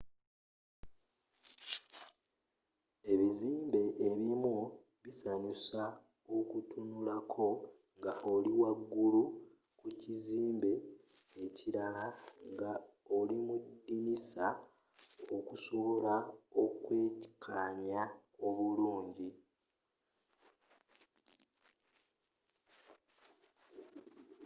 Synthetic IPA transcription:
e̞βiziːmbe̞ʔːβimu | βisaɲusa | okutʰunulakʰo̞ | ŋɡaʔoliwaɡːulu | kuciziːmbe̞ː | ciɾalaŋɡa | olimudːinisa | okuso̞βo̞laokwe̞ːcikʰaːɲa | o̞βuluːɲɟi

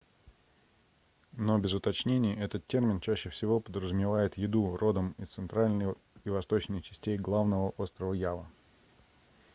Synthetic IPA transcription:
nobʲɪzʊt̪ɐt͡ɕnʲenʲɪjəɛt̪ət̪tʲːe̞rmʲɪnt͡ɕæɕːɪfsʲɪvo̞pəd̪ɾəzʊmʲɪvajɪt̪jɪd̪uro̞d̪əmit̪sɨnt̪ɾalʲnəj | ivɐst̪o̞t͡ɕnɨxt͡ɕɪ̥sʲtʲejɡlˠavnəvəʔo̞st̪ɾəvəjavə

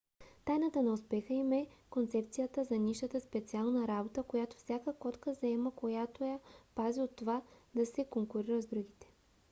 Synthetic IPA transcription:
t̪ajnət̪ənɐʊspɛxəimɛkont̪sɛp̚t̪sijət̪əzɐniʃət̪əspɛt̪sialˠnɐɾabot̪əkojat̪o̥fsʲjakəkɔt̪kəzɐɛməkojat̪ojɐpaziot̪ːovad̪ɐsɛkoŋkʊɾiɾəzd̪ɾuɡit̪ɛ̥

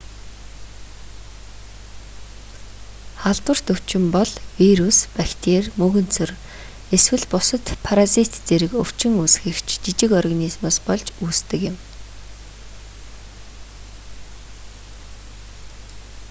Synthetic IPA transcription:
χaɮt̪wə̆r̥t̪ɵw̥t͡ɕɪ̆mpɔɮwiɾuspækt̪ʰeːrmɵɣɵ̆n̥t͡sʰɵ̆r | eswɘ̆ɮpʊsə̆t̪pʰaɾasit̪t͡seɾɘ̆kɵw̥t͡ɕɪ̆ŋusxɘ̆kt͡ɕʰt͡ɕit͡ɕɪ̆kɔrɣanismʊːspɔɮt͡ɕuːst̪ɘ̆kjɪ̆m

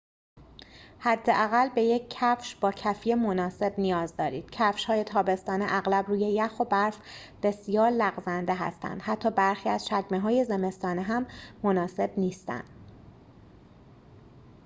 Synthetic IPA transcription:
hæd̪ːe̞ʔæɣælbe̞je̞cʰːæfʃb̥ɒːcʰæfijemonɒːse̞bnijɒːzd̪ɒːɾiːd̪̥cʰæfʃhɒːje̞t̪ʰɒːbe̞st̪ɒːneʔæɣlæbɾuːje̞jæxo̞bæɾf | b̥e̞sijɒːɾlæɣzænd̪eɦæ̰st̪æ̰nd̪̥hæt̪ʰːɒːbæɾxiːæzʃæɟmeɦɒːje̞zeme̞st̪ɒːneɦæmːonɒːse̞bniːst̪æ̰nd̪̥

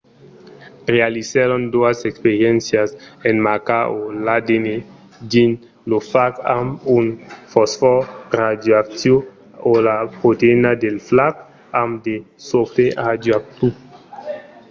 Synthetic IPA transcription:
realiseɾond̪oasekspeɾjɛnsjasenmakaolad̪ene | d̪in | lofaka̰munfɔsfɔɾad̪joak̚sjo | olapot̪enad̪elflak | amd̪e | sofead̪joak̚t̪u

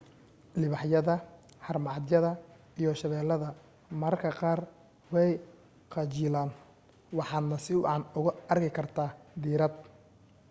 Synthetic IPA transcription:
lɪβɑħjɐðɐ | ħɑrmɑːd̪jɐðɐ | ijɔʃɐβɛːlːɐðɐ | mɐɾkʰɐqɑːr | wɛj | qɑt͡ʃɪːlaːn | wɑħɑːd̪nɐsɪwʕɑnʊɣʊɐrkʰɪkʰɐrt̪ʰaːd̪iːɾɐd̪̚

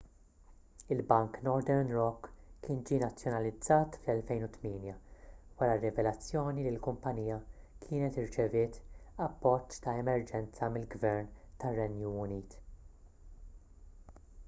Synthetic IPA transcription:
ɪlbɐŋknɔɾd̪ɛɾnɾɔkːɪːnd͡ʒiːnɐt͡sːjɔnɐlɪd͡zːɐːt̪flɛlfɛjnʊt̪mɪːnjɐwɐɾɐrːɪvɛlɐt͡sːjɔːnilɪlkʊmpɐniːjɐ | kʰɪːnɛt̪ɪɾt͡ʃɛvɪːt̪ɐpːɔt͡ʃːt̪ɐɛmɛɾd͡ʒɛnt͡sɐmɪlɡvɛɾnt̪ɐrːɛnjuʊniːt̪

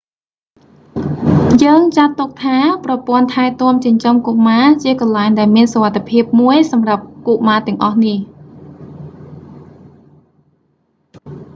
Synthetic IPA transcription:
jəːŋt͡ɕat̪ːuk̚t̪ʰaːprɑpŏənt̪ʰaɛt̪ŏəmt͡ɕiəɲt͡ɕomkoʔmaːt͡ɕiəkɑnlaɛŋɗaɛlmiənsoʋat̪ʰːepʰiəp̚muəjsɑmrap̚kuʔmaːt̪ɛ̆əŋʔɑhnih

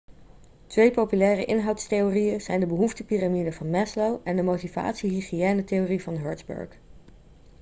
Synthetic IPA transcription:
tʋejpowpylɛːrə̰ʔɪnɦɑwtstejoːrijəz̥ɛjndəbəɦuftəpiramidəvɑnmɛslowɛndəmowtiva̰ːtsiɦiχiɛːnətejorivɑnɦœ̰ɹdzbɵ̰ɹk

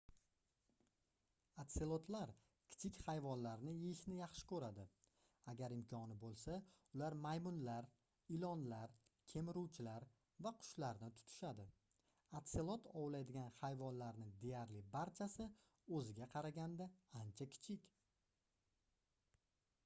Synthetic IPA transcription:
at̪selˠot̪ʰlaɾ | kʲʰɪ̥t͡ʃʰɪkʲhajvɒnlaɾnɪjɪɪʃnɪjɑχʃɪ̥kɵɾad̪ɪ | aɡʲaɾɪmkʲʰɒnɪbolˠsaʊlaɾmajmʊnlaɾ | ɪlɒnlaɾkʲʰe̞mɪɾuwt͡ʃʰɪlaɾ | vaqʰʊ̥ʃlaɾnɪt̪ʰʊ̥t̪ʰɪ̥ʃad̪ɪ | at̪selˠot̪ʰɒwlajd̪ɪɡʲanχajvɒnlaɾnɪd̪e̞jaɾlɪbaɾt͡ʃʰasɪ | ɵzɪɡʲaqʰɑɾaɡʲand̪aant͡ʃʰakʲʰɪ̥t͡ʃʰɪkʲ

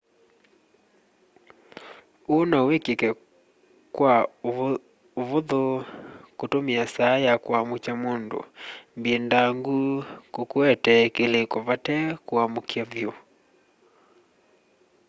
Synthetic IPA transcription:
onaowekekɛ | kwa | ovoðokotomiasajakwamut͡ʃamondo̰mbiendaŋɡukokuɛtɛkelekovatɛkoamukiavjo

